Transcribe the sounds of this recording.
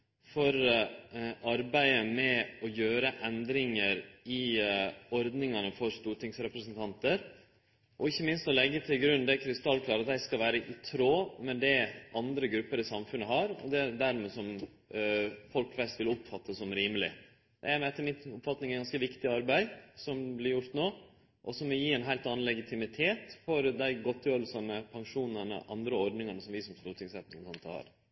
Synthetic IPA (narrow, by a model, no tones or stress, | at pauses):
fɔɾ | ʔɑɾbæɪəmɛɔjøːɾəʔɛnd̪ɾɪŋəɾɪ | ɔɾd̪nɪŋɑnəfɔɾst̪uːʈʰɪŋsɾɛpɾəsənt̪ʰɑnt̪əɾ | ʔɔɪçːəmɪnst̪ɔlɛɡːət̪ʰɪlɡɾʉnːd̪ɛkʰɾɪst̪ɑlːkʰlɑːɾɑt̪dæɪskɑlʋæːɾəʔɪt̪ʰɾoːmɛd̪ɛʔɑnd̪ɾəɡɾʉpːəɾɪsɑmfʉnːəɦɑɾɔ̰d̪ɛd̪æɾmɛsɔm | fɔlkʋɛst̪ʋɪlʊpfɑt̪ʰːəsɔmɾiːməlɪ | d̪̥ɛ̰ɛmɛɛt̪ːəmɪt̪ʊpfɑt̪nɪŋæɡɑnskəʋɪkt̪ɪɑɾbæɪsɔmblɪɾjʊɾt̪noː | ʔɔsɔmʋɔjiːæɪnɦæɪlt̪ɑːnn̩lɛɡɪt̪ʰɪmɪt̪ʰeːt̪fɔɾd̪æɪɡɔt̪ːjøːɾəlsɑnəpʰɑŋʂuːnəɳə̰ʔɑnd̪ɾəɔɾɖ̪nɪŋənəsɔmʋɪsɔmst̪ʉːt̪ʰɪŋsɛt̪nɪŋkʰɑnt̪ʰɑ̰hɑ̰ɾ